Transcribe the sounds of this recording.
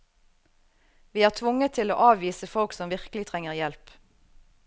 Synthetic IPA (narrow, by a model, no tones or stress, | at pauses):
ʋiːæːʁt̪ʰʋʊŋət̪ʰɪlo̰ːʔɑːʋʋiːsəfɔlksɔmʋɪʁkəlɪt̪ʰʁɛŋəʁjɛlp